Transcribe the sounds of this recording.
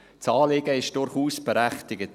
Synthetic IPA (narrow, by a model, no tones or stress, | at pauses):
t͡sɑːlɪɡ̥əɪʃd̥ʊɾχuːsb̥ɛɾæχtɪɡət